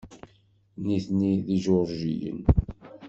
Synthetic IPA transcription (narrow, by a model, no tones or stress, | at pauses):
niθniðiʒoɾˤʒḭjə̰n